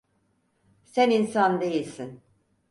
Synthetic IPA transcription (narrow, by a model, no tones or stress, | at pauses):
sæninsand̪e̞jilʲsin